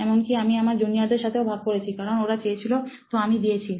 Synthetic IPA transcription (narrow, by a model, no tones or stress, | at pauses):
ɛmonkiamiamaɾd͡ʑoniad̪eɾʃat̪ʰeobʱaɡ̚koɾet͡ɕʰikaɾonoɾat͡ɕejet͡ɕʰilot̪oamid̪iet͡ɕʰi